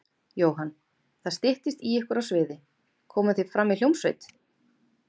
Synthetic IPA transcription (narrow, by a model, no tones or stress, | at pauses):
joːwɦanː | θaðst̪ɪht̪ɪst̪iɛhkʏɾawsvɪːðɪ | kʰɔːmʏθefɾamːil̥owmsvḛjt̪